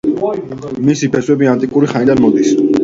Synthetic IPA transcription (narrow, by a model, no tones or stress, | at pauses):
misipʰɛswɛbiant̪ʼikʼuɾiχanid̪anmɔd̪is